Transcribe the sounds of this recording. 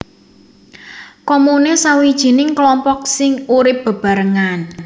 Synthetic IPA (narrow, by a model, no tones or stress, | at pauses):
kɔmunesawid̥ʒ̥i̤nɪŋklɔmpɔk̚sɪŋuɾɪp̚b̥ə̤b̥a̤ɾəŋan